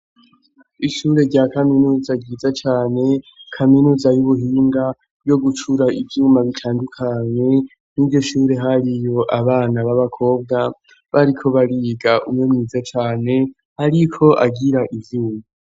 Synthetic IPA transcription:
iʃuːɾe̞ɾɟakaminuːzaɟiːzat͡ʃaːne̞kʰaminuːzajuβuɦiːŋɡa | jo̞ɡut͡ʃuɾaivjuːmaβitʰaːndukʰaɲe̞ | nivɟo̞ʃuːɾe̞ɦaɾijo̞ʔaβaːnaβaβakʰo̞ːb̚ɡa | βaɾikʰo̞βaɾiɡaʔumŋe̞mŋiːzat͡ʃaːne̞ | haɾikʰo̞ʔaɡiɾaʔivjuːma

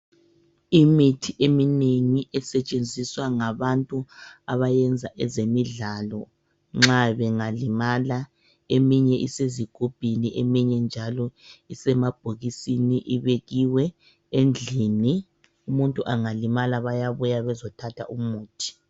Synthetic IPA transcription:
imitʰiʔemineŋiʔɛsɛt͡ʃʼend͡zʱiswaŋaβantʼuaβajɛnd͡zʱaʔɛzemiɮalɔ | ŋ͡ǁaβɛŋalimala | emiɲɛʔiseziɡ̥ʱub̥ʱiniʔemiɲɛnd͡ʒʱalɔisɛmab̥ʱoɣisiniʔiβeɣiwɛ | end͡ɮʱini | umuntʼuʔaŋalimalaβajaβujaβɛzɔtʰatʰa̰ʔumuːtʰi̥

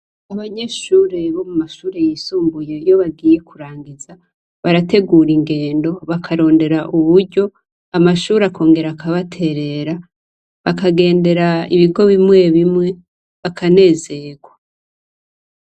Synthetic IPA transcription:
aβaɲe̞ʃuːɾeβo̞mumaʃuːɾe̞jisuːmbuje̞jo̞βaɡiːje̞kuɾaːŋɡiza | βaɾate̞ɡuːɾiŋɡe̞ːndo̞βakʰaɾo̞ːnde̞ɾaʔuβuɾɟo̞ | amaʃuːɾakʰo̞ːŋɡe̞ɾakaβatʰe̞ɾe̞ɾa | βakaɡe̞ːnde̞ɾaḭβiɡo̞βimŋe̞βimŋe̞ | βakʰane̞ːze̞ɡwa

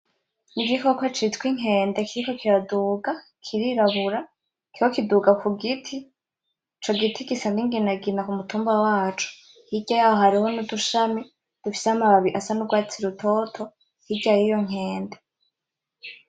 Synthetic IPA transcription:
niɡikokwet͡ʃitkwiŋ̥ɦe̞ːnde̞kiɾiko̞kiɾaduːɡa | kʰiɾiɾaβuɾa | kikokiduɡakuɡitʰi | t͡ʃo̞ɡitʰikisandiŋɡinaɡinakumutuːmbawaːt͡ʃu̥ | hiɟajaːho̞ɦaɾiho̞nuduʃami | d̥ufi̥seamaβaβiʔasanuɡwaːt͡siɾutʰo̞tʰo̞ | hiɟajijo̞ŋ̥he̞ːnde

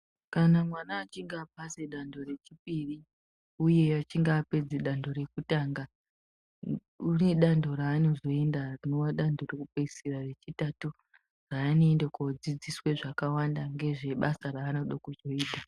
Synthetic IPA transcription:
kanamwanaːt͡ʃiŋɡaːpaseɗando̞ɾe̞t͡ʃip̚iri | uje̞at͡ʃiŋɡaːpe̞d͡zeɗando̞ɾe̞kutaːŋɡa | uneɗando̞raːno̞zo̞e̞ndarino̞waɗando̞rekupeisirare̞t͡ʃitatu | raːno̞ːndakod͡zid͡ziswe̞ʐakawandaŋɡe̞ʐe̞ɓasaraːno̞ɗokud͡ʒoiːdʱa

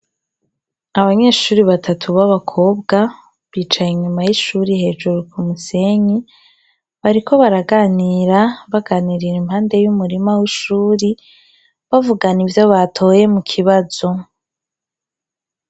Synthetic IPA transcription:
aβaɲe̞ːʃuːɾiβatʰatʰuβaβakʰo̞ːbɡa | βiːt͡ʃajiɲumajiʃuːɾihe̞ːʒuɾukʰumuse̞ɲi | βaɾikʰo̞βaɾaɡaːniɾaβaɡaːniɾiɾimhaːnde̞jumuɾimawiʃuːɾi | βavuɡanivjaβatʰo̞ːje̞mukʰiβaz̥o̞

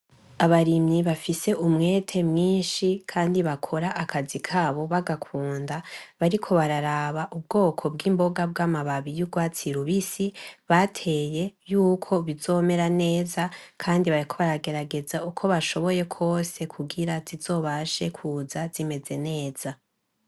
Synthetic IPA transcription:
aβaɾimɲiβafise̞ʔumŋe̞ːtʰe̞mŋiːnʃikʰaːndiβakʰo̞ɾaʔakʰazikʰaːβo̞βaɡakʰuːndaβaɾikʰo̞βaɾaɾaβaʔub̚ɡo̞ːkʰo̞b̚ɡiːmbo̞ɡab̚ɡaːmaβaβijuɡwaːt͡siɾuβisiβatʰe̞je̞juːkʰo̞βizo̞ːme̞ɾane̞ːzakʰaːndiβaɾikʰo̞βaɾaɡe̞ɾaɡe̞zaukʰo̞βaʃo̞βo̞je̞kʰo̞ːse̞kʰuɡiɾazizo̞ːβaʃe̞kʰuːzaz̥ime̞ze̞ne̞ːz̥a

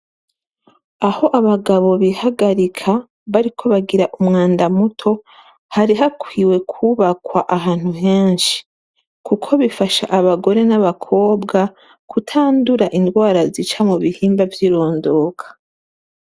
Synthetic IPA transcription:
aho̞ʔaβaɡaβo̞βihaɡaɾikʰa | βaɾikʰo̞βaɡiɾaʔumŋaːndamutʰo̞ | haɾiɦakwiwe̞kʰuβakwaʔaɦaːn̥huɦe̞ːnʃi̥ | kukʰo̞βifaʃa̰ʔaβaɡo̞ɾe̞naβakʰo̞ːbɡa | kutʰaːnduɾaʔindɡwaːɾazit͡ʃamuβihiːmbavjiɾo̞ːndo̞ːkʰḁ

